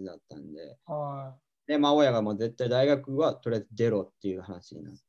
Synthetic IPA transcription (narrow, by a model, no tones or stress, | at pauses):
d̪at̪ːã̰nd̪e̞̰a | d̪̥e̞mao̞jaɡamo̞ze̞t̪ːaid̪aiɡakɯ̟βat̪o̞ɾʲeaezɨd̪e̞ɾo̞t̪ːe̞jiɯ̟hanaɕiɲ̰na̰